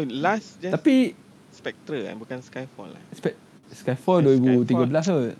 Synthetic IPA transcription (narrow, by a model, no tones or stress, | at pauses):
lasd͡ʒat̪api | spɛk̚t̪ɾəã̰nbukanskajfɔ̰la̰spɛ | skajfɔldoibut̪iɡəbəlas̬o